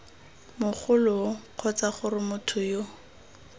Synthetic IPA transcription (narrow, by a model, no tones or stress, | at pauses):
mʊχʰʊlʊq͡χʰɔt͡saχʊrɪmʊtʰʊjo